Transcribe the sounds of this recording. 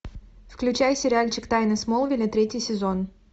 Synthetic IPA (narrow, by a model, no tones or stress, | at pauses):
fklʲʉt͡ɕajsʲɪɾʲɪalʲt͡ɕɪkt̪ajnɨsmolˠvʲɪlʲɪt̪ɾʲetʲɪjsʲɪzon